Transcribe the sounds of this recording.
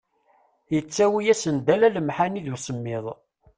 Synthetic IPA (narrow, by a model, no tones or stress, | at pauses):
jət͡sːæwijæsənd̪ælæləmħaniðusəmːɪðˤ